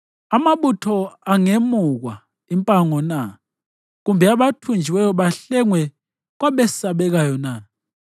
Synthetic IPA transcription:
amaβutʰɔaŋemuɣwa | impʼaŋɔna | ɣumbʱɛaβatʰund͡ʒʱiwɛjɔβaɬɛŋwɛ | ɣwaβɛsaβɛɣajɔna

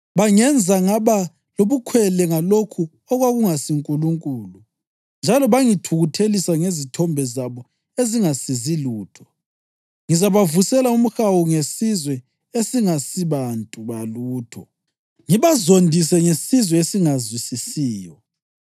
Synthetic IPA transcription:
βaŋɛnd͡zʱaŋaβa | loβukʰwɛlɛŋalokʰu | ɔɣwaɣuŋasiŋkʼuluŋkʼuːlu | nd͡ʒʱalɔβaŋitʰuɣutʰelisaŋezitʰɔmbʱɛzaβɔ | eziŋasiziluːtʰɔ̥ | ŋizaβavusɛlaum̩xawuŋesizwɛ | esiŋasiβantʼuβaluːtʰɔ̰ | ŋiβazondʱis̬ɛŋesizwɛesiŋazwisisiːjɔ

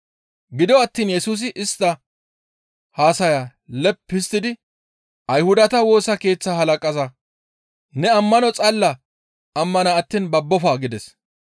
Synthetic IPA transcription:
ɡɪd̪ɔɐt̪ːiːnjɛsuːs̬ɪʔɪst̪ːɐ | haːsɐjaːlɛpːɪst̪ɪd̪ɪ | ʔɐjhʊd̪ɐt̪ɐwo̞ːsɐke̞ːt͡sːahɐlɐkʼɐzɐ | nɛɐmːɐnɔt͡sʼɐlːɐ | ɐmːɐnɐːt̪ːiːnbɐbːɔfaːɡɪd̪ɛs

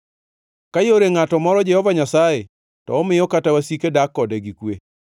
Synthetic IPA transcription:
kajoɾeŋatɔmɔɾɔd͡ʒɛhɔvaɲasaje | tɔːmɪjɔkatawasikedakːɔdɛɡikwe

